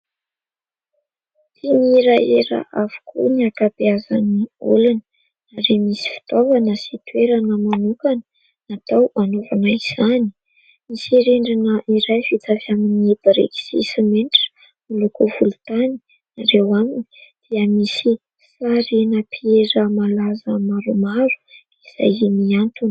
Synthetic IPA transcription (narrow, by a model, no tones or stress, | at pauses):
t̪iniɾajeɾə̰ʔavu̥kʰṵniakabeazaniṵlanə̥ | naɾemisi̥fi̥t̪ovanəsit̪uweɾanəmanukanə | nat̪awanovanaiz̥ani̥ | misieɾeɳɖ͡ʐinəʔiɾajfit͡s̪avaminieb̥aɾḛki̥sḭsimeɳʈ͡ʂə̥ | milukuvulut̪ani̥ | naɾewaminid̪̥iəmisi | faɾinəpʰieɾəmalazəmaɾumaɾu̥ | iz̥a̰jimiant̪un